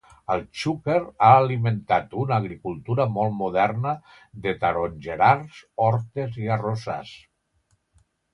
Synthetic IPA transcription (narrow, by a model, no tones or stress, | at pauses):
əlˠt͡ʃukeɾaəliment̪at̪unːɣɾikulˠt̪uɾəmɔlˠmuðɛɾnə | ðət̪əɾonʲʒeɾaɾzɔɾt̪eziəroza̰s